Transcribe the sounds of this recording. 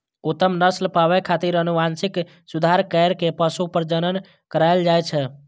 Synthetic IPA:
ut̪əmnəslpaβɛkʰat̪iɾənuʋansik | sud̪ʱaɾkəjɾkepəsupəɾd͡ʒənən | kəɾajld͡ʒajt͡ʃʰɛ

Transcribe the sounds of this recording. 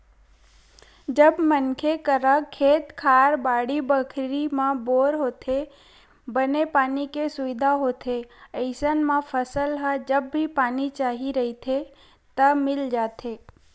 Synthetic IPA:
d͡ʒəbmənkʰekəɾəkʰːeːt̪kʰaːɾbaːɽibəkʰɾimãboːɾɦoːt̪ʰe | bənepaːnikesʊʋɪd̪ʱaɦoːt̪ʰeəɪsənmãfʰəsəlɦəd͡ʒəbːʱipaːnit͡ʃaːɦiɾəɦit̪ʰe | t̪əmɪld͡ʒaːt̪ʰeː

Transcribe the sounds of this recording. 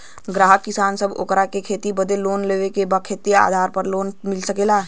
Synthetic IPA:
ɡɾaːɦəkːɪsaːnsəbo̰ːkɾakekʰeːt̪ibɐd̪ʱeloːnleːʋekebakʰeːt̪ia̰ːd̪ʱaːɾpəɾloːnmɪlsɐkeːlaːɦ

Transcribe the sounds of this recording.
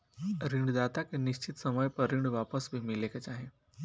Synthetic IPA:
ɾiɳɖd̪at̪akniɕt͡ɕit̪səməjpəɾiɳɖʋapəsbʱimilekət͡ɕaɦe

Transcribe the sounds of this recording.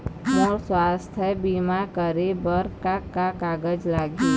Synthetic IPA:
mɔːɾswaːst̪ʰjəbimakəɾebəɾkakakaːɡəd͡ʒlaːɡi

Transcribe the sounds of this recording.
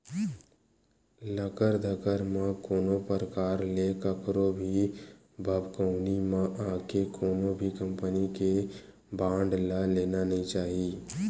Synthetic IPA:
ləkəɾd̪ʱəkəɾmãkoːnopəɾəkaːɾleːkəkɾobʱi | bʱəbkəʊnimãʔaːkekʰoːnõbʱikə̃mpənike | bãːɳɖlaleːnanəɦĩt͡ʃaːɦie

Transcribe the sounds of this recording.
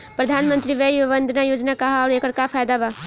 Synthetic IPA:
pɾəd̪ʱaːnmə̃nt̪ɾiʋejuʋənd̪najoːd͡ʒnakaɦɔːɾeːkəɾkapʰaːjd̪aba

